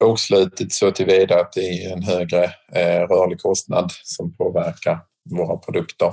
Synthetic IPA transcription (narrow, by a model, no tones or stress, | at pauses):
ɔkslʉ̟ːt̪ɪt̪soːt̪ʰɪlviːd̪aat̪̚d̪ɛæɾjɛnɦøːɡɾəɾœːɭɪɡkʰɔst̪na̰d̪sɔmpʰoːvæɾkaɾ | voːɾapʰɾʊd̪ɵkt̪əɾ